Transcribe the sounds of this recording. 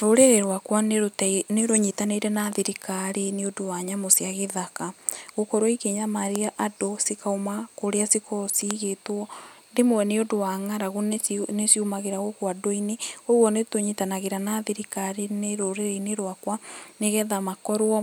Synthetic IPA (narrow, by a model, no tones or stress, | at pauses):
ɾoɾeɾeɾwakwaneɾotneɾoɲitaneiɾɛnaðiɾikaɾeneodowaɲamosjaɣeðakaɣokɔɾwɔikeɲamaɾiaʔadosikaomakoɾeasikɔsiɣetwɔndemowɛneodowaŋaɾaɣonesiumaɣeɾaɣokwadoineowɔnetoɲitanaɣeɾanaðiɾikaɾeneɾoɾeɾeineɾwakwaneɣɛðamakɔɾwɔ